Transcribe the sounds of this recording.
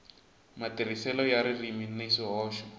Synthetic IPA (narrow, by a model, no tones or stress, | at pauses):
matir̤isɛlɔjaɾiriminesiɦɔːʃɔ̥